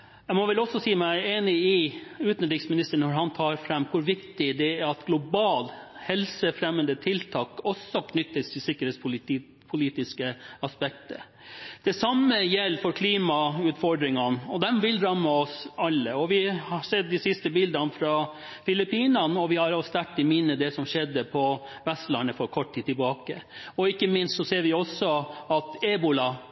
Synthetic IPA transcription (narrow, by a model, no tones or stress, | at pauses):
jæɪmɔʋɛlɔsːɔsiːəmæɪeːnɪɪʉːt̪nɖ̪ɪksmɪnɪst̪əɳɔɾɦɑnt̪ʰɑːɾfɾɛmːkʰʊɾʋɪkt̪ɪd̪ɛæɾɑt̪ɡ̥lʊbɑːlhɛlsəfɾɛmːənd̪ət̪ʰɪlt̪ʰɑːkɔsɔkʰnʏt̪ːəst̪ʰɪlsɪkːəɾeːt̪spl | pʰʊliːt̪ɪskəɑspɛk̚t̪əɾ | d̪̥ɛsɑmːəjɛlːfɔɾkʰliːmɑʉːt̪fɔɖɾɪŋɑnɔd̪ɛmʋɪlɾɑmːəɔsɑlːəɔʋɪhɑɾsɛd̪̚d̪ɪsɪst̪əbɪld̪ɑnfɾɑ | fɪlɪpiːnɑnəɔʋɪhɑɾɑst̪æʈːɪmɪnːəd̪ɛsɔmʂɛd̪ːəpʰɔʋɛst̪lɑnəfɔɾkʰɔʈ̚ːt̪ʰiːd̪t̪ʰːɪlbɑːkəɔɪkːəmɪnst̪sɔseːɾʋɪɔsːɔɑt̪eːbʊlɑ